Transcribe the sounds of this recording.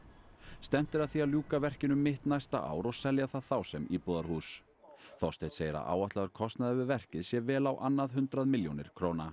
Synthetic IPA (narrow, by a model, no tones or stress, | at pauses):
st̪ɛm̥t̪ɪɾaðθialjuːkavɛr̥cɪnʏmːɪht̪najst̪a̰ʔa̰ːwɾɔɣsɛljaθaðθawsɛmipɔːðaɾ̥huːs | θɔst̪ejt̪seːjɪɾa̰ʔa̰ːwaht̪laɣaɾkʰɔst̪naðɛvɪvɛr̥cɪðsjɛvɛːlawʔanːaðɦʏnt̪ɾaðmɪljonɪ̰ɾ̥kʰɾowna